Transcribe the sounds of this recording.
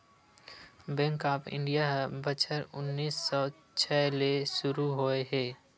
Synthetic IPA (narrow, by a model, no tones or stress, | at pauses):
bɛ̃ŋkaːpɪ̰̃ɳɖijaɦbət͡ʃʰəɾʊ̰nːiːsːɔ | t͡ʃʰɛleʃʊɾuɦoeɦɛː